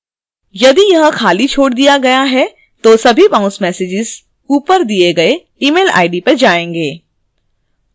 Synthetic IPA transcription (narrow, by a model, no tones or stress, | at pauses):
jɐd̪ijɐɦə̃xʰaːlit͡ʃʰoːɽd̪ijaɡɐjaɦɛ | t̪osɐbʱibãːʊ̃nsmɛːsed͡ʒɪz | uːpəɾd̪ieɡɐe | iːmeːla̰ːɪɖipɐɾd͡ʒaːẽːŋɡeː